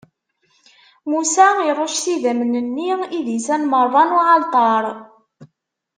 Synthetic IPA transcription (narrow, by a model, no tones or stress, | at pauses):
musæiɾˤoʃsiðæmənənːiiðisænməɾˤːɑnuʕɑlt̪ˤɑɾˤ